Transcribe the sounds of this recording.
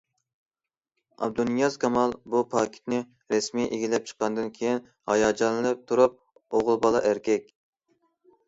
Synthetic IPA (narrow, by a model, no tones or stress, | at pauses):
ɑ̰bd̪unijɑzkʰɑmɑlˠbupʰɑkʲʰi̥t̪nɪ | ɾɛsmiʔeɡʲilɛp̚t͡ʃʰə̥qːɑnd̪ɨnkʲʰejin | hɑjɑːd͡ʒɑnɨlˠɨp̚t̪ʰuɾup̚ | oʁʊlˠbɑlˠɑʔæɾkʲʰɛkʲ